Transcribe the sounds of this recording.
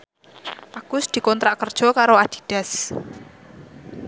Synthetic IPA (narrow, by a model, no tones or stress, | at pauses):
ʔaɡ̥ʊsd̪̥i̤kɔnt̪ɾaʔkərd̥ʒ̥ɔ̤kaɾoad̪̥i̥̤d̪̥ɛ̤s